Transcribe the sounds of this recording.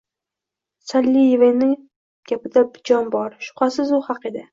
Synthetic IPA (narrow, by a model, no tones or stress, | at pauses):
salːijevenɪŋ | ɡ̥ʲapɪd̪abɪd͡ʒɒnbɒɾʃʊ̥qʰɑsɪzʊhɑqed̪ɪ